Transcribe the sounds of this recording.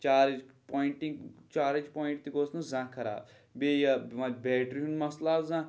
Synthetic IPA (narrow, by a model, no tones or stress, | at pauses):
t͡ʃaːɾit͡ʃpoːiɳʈĩŋɡt͡ʃaːɾit͡ʃpoːĩɳʈt̪iɡoːsnũzãːkʰɐɾa̰ːb | bejɐʋãbɛːʈɾiɦũnmɐslaːbzãː